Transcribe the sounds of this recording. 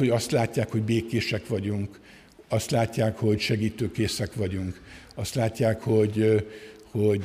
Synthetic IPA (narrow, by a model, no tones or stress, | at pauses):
hoɟɒst̪laːcːaːkho̞ɟbeːkeːʃɛkʋɒɟuŋk | ɒst̪laːcːaːkho̞ɟʃɛɡiːt̪øːkeːsɛkʋɒɟuŋkɒst̪laːcːaːkho̞ɟ | ho̞